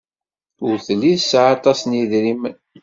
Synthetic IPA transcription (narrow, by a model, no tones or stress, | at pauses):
ʊɾθəlːiðsʕɑt̪ˤɑsniðɾimən